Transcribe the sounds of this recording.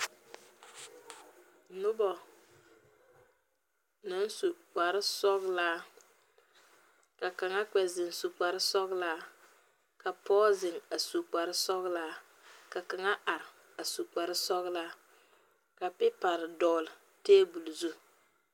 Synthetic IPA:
nʊ˦bɔ˨ | na˦n˦su˨k͡pa˨ɾɪ˦sɔ˦ɣlaː˦ | ka˨ka˨ŋa˦k͡pɛ˨zɪ˨n˨su˨k͡pa˨ɾɪ˦sɔ˦ɣlaː˦ | ka˨pɔː˦zɪ˨ŋa˨su˨k͡pa˨ɾɪ˦sɔ˦ɣlaː˦ | ka˨ka˨ŋa˦ʔa˨ɾɪ˨ | a˨su˨k͡pa˨ɾɪ˦sɔ˦ɣlaː˦ | ka˨pɪ˦pa˨ɾɪ˨dɔː˨lɪ˨ | teː˦bu˨lu˨zu˦

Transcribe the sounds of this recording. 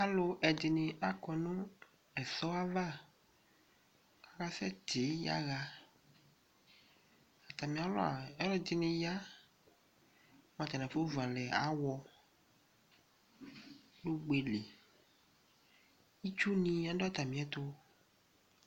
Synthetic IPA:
a˦lo˦ʔɛ˨d̪i˨nẽ˨a˨kɔ˨nũ˦ | ɛ˨sɔ˦a˦va˦ | ka˨ɣa˦sɛ˦t̪e˨˦ja̰˦ɣa˦ | a˨t̪a˨mĩ˨a˨lo̰˦a̰˨ɛ˦lɔ˦d̪i˨nɪ̃˨ja˦ | mã˨t̪ɛ˨nã˨fo˦vu˨a˨lɛ˨a̰˨˦wɔ˦ | lo˦ɡ͡be˨le˨ | i˦t͡ʃu˦nĩ˦a˦dɔ˦t̪a˨mĩ˦ɛ˦t̪o˦

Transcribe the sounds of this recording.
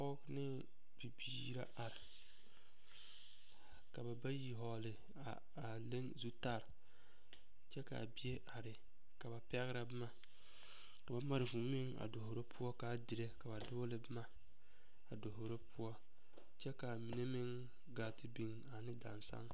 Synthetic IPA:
ɔ˦knɪ˦ | bi˨biː˨˦ɾa˦ʔa˨ɾɪ˨ | ka˨ba˨ba˦ji˨ɦɔ˨lɪ˨ | a˨ | a˨le˦ŋzu˦ta˦˨ɾ | t͡ʃɛ˦ka̰˨bi˦e˦ʔa˨ɾɪ˨ | ka˨ba˨pɛ˦ɣɾa˦bɪ˦ma˦ | ka˨ba˦ma˨ɾɪ˨vu˨mɪ˦ŋa̰˨do˨ho˨ɾo˦pʰʊ˦ɔ˦ka˨˦dɪ˨ɾe˦ka˨ba˨dʊ˦lɪ˦bɪ˦ma˦ | a˨do˨ɦo˨ɾo˦pʰʊ˦ɔ˦ | t͡ʃɛ˦ka˨mi˨ne˦mɪ˦ŋ | ɡaː˨tɪ˦bi˨ŋ | a˨nɪ˦da̰˨nsa̰˦ŋ

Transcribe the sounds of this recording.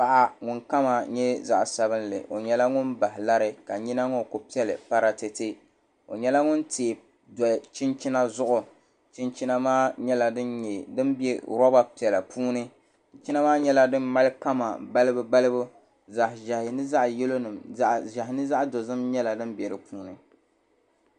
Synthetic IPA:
a˨ʔa˨ŋʊ˨nka˦ma˨ɲɛ˦za̰˦ʔsa˨βɨ˦nlɨ̰˨ʔo̰˨ɲɛ˦la˦ŋʊ˦nba˨hɪ˨la˦ɾɪ˦ka˨ɲi˦na˦ŋo˦˨ko˨pi˦ɛ˦lɨ̰˨pa˦ɾa˨te˨te˦ | o̰˨ɲɛ˦la˦ŋʊ˦nte˨ | dɔ˨t͡ʃɪ˦nt͡ʃi˦na˦zʊ˦ʔʊ˨ | t͡ʃɪ˦nt͡ʃi˦na˦maː˦ɲɛ˦la˨dɨ˦nɲɛ˨dɨ˦nbɛ̰˦ɾɔ˦ba˦pi˨ɛ˨la˨pʰuː˦nɨ˦ | t͡ʃɪ˦na˦maː˦ɲɛ˦la˦dɨ˦mma˦lɨ˦ka˦ma̰˨ba˦lɨ˦bɨ˦ba˦lɨ˦bʊ˦ | za˨hɪ˨ʒɛ˨hɪ˨nɨ˦za˦ʔjɛ˦lo˦nɨ˨mʒa˨hɪ˨nɨ˦za˦ʔdo˨zɨ˦mɲɛ˦la˨dɨ˦mbɛ˨ɾɨ˨puː˦nɨ˨

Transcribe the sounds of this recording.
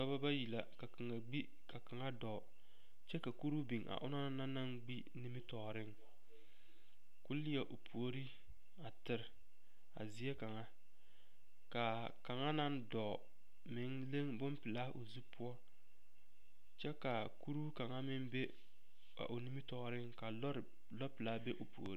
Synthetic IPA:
tɔ˦ba˦ba˦ji˨la̰˨ka˨ka˨ŋa˨ɡ͡bi˦ | ka˨ka˨ŋa˦dɔ˨ | t͡ʃɛ˦ka˨ku˦ɾu˦bi˨ŋʔa̰˨ʔʊ˦na˦na˦na˦ŋɡ͡bi˦ | ni˦mɪ˦tɔ˨ɾɪ˦ŋ | kʊ˦lɪ˦ɛ˨ʔo˨pʰu˨o˦ɾi˦ | a˨tɪ˦˨ɾ | a̰˨zi˦e˦ka˨ŋa˦ | ka˨ | ka˨ŋa˦na˦ndɔ˨ | mɪ˨˦ŋle˦ŋbʊ˦mpɪ˨la˦o˨zu˦pʰʊ˦ɔ˦ | t͡ʃɛ˦ka˨ | ku˦ɾu˦ka˨ŋa˦mɪ˦ŋbe˦ | a̰˨ʔo˨ni˦mi˦tɔ˨ɾɪ˦ŋka˨lɔ˦ɾ | lɔ˦pɪ˨la˦be˦ʔo˨pu˨o̰˨ɾi˦

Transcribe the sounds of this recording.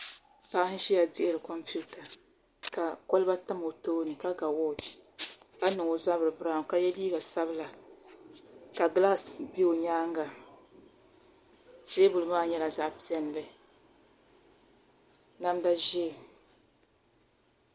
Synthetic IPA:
pa˦ʔh̩˦ʃi˦ja˨di˦e˦ɾɨ˨kɔ˦mpu˦ta˨ | ka˨kɔ˦lɨ˦ba˦ta˦mo˨toː˦ni˨ka˦ɡa˨wɔ˦dka˦nɨ˨ŋo˨za˦βɨ˨ɾɨ˨bɾa˦˨ka˦jɛ˦liː˦ɡa˨sa˦bɨ˦la˨ | ka˨ɡla˦sbi˦o˨ɲaː˦ŋɡa˨ | d͡ʒe˦bʊ˨lɨ˨maː˦ɲɛ˦la˨za˦˨pi˦ɛ˦n˨lɨ˨ | na˦mda˦ʒɛ˦˨

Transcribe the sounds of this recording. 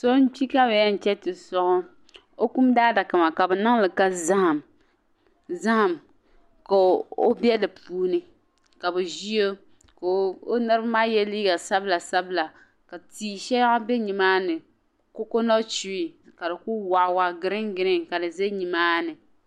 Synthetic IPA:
so˦n̩˦t͡ʃi˦ka˦bɛ˨jɛ˦n̩˨t͡ʃɛ˦tɪ˨sʊ˦ʔʊ˦ | o˦ku˦mdaː˦da˨ka˨ma˨ka˨bɛ˨na˦ŋlɨ˨ka˦za˦ha˨m | za˦ha˨m | ka˨o˦bjɛ˦dɨ˨puː˦nɨ˦ | ka˨bɛ˨ʒi˦o˦ | ko˨o˦nɨ˦ɾɨ˦bmaː˦jɛ˦liː˦ɡa˨sa˦bla˨sa˦bla˨ | ka˨tiː˦ʃɛ˦a˦bɛ˦ɲi˨maː˦nɨ˨ | ko˦ko˦nɔ˦t͡ʃi˦i˨ka˨dɨ˨ku˦wa˨ʔwa˦ɡɪ˦ɾɪ˦ŋɡɪ˦ɾɪ˦ŋka˨dɨ˨zɛ˦ɲi˨maː˦nɨ˨

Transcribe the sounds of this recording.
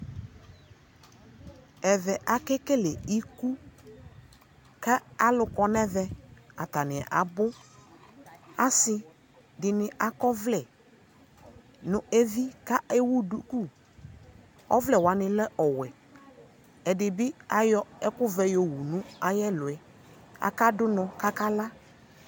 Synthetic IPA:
ɛ˨vɛ˨ʔa˨kɛ˦kɛ˦lɛ˨i˦ku˦ | ka˦a˦lʊ˦kɔ˦nɛ˦vɛ˦a˨t̪a˨nɪ̃˨ɛ̰˨ʔa˨bʊ˦ | a˦sɪ˦ | dɪ˨nɪ˨a˨kɔ˦vlɛ˨ | nʊ̃˨e˦vi˦ka˦e˦wu˦du˨ku˦ | ɔ̰˦vlɛ˨wa˨nɪ̃˨lɛ˦ʔɔ˨wɛ˨ | ɛ˨dɪ˨bɪ˦a˨jɔ˦ɛ˦kʊ˦vɛ˨˦jo˨wu˨nʊ̃˦a˨jɛ˦lʊ˨ɛ˨ | a̰˨ka˦dʊ˦nɔ̃˨ka˦ka˦la˦

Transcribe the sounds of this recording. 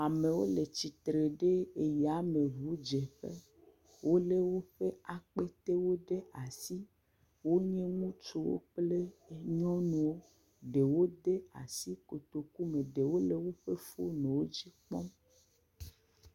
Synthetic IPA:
a˨me˨wo˦le˨t͡ɕi˨t̪ɾe˨ɖe˦e˨ja˨˦mẽ˨vu˨˦d͡ʒe˨ɸḛ˦ | wʔo˦le˦wo˦ɸe˦a˨k͡pe˦t̪e˦wo˦ɖe˦a˨si˦ | wo˦ɲẽ˦ŋũ˦t͡ʃo˦wo̰˦k͡ple˦e˨ɲɔ̃˦nũ˨wo˦ | ɖe˨wo˦d̪e˦a˨si˦ko˨t̪o˨ku˦mẽ˨ɖe˨wo˦le˦wo˦ɸe˦fo̰˦nẽ˨wo˦d͡ʑi˦k͡pɔ˦m

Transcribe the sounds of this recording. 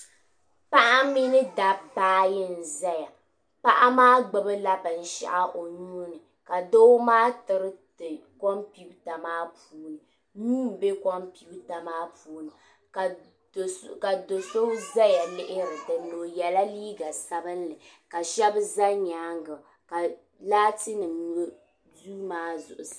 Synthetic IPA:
pa˦ʔa˦mi˦nɨ˦da˨baː˦jɪ˦n̩˨za˦ja˨ | pa˦ʔa˦maː˦ɡ͡bɨ˦bɨ˦la˦bɨ˨n̩˨ʃɛ̰˨ʔa˦ʔo˨ɲu˦nɨ˨ | ka˨do˦maː˦tɨ˨ɾɨ˦tɨ˨ko˦mpi˦bta˨maː˦puː˦nɨ˨ | nu˦m˨be˦kɔ˦mpi˦bta˨maː˦puː˦nɨ˨ | ka˨ | ka˨do˨so˦za˦ja˨lɪ˦ʔɪ˦ɾɨ˨dɨ˨nlo˨jɛ˨la˦liː˦ɡa˨sa˦bɨ˦n˦lɨ˨ | ka˨ʃɛ˦bɨ˦za˦ɲaː˨˦ŋɡa˨ | ka˨ | laː˦tɨ˦nɨ˨mn˦ | du˦maː˦zʊ̰˨ʔʊ˨s

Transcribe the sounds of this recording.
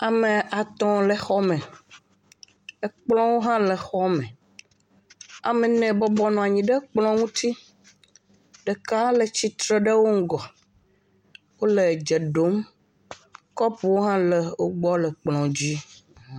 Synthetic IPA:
a˨mẽ˨ʔa˨t̪ɔ̃˦le˨xɔ˦mẽ˨ | e˨k͡plɔ̃˦wo˦ɦã˦le˨xɔ˦mɛ̃˨ | a̰˨me˨nɛ̃˨bɔ˦bɔ˦nɔ̃˨a˨ɲĩ˨ɖe˦k͡plɔ̃˦ŋũ˦t̪i˦ | ɖe˨ka˦le˨t͡ɕi˨t̪ɾe˦ɖe˦wo˦ŋ̩˦ɡɔ˨ | wo˦le˨d͡ʒe˨ɖo˨˦m | kɔ˦pu˨wo˦ɦã˦le˨wo˦ɡ͡bɔ˦le˨k͡plɔ̃˨d͡ʑi˦

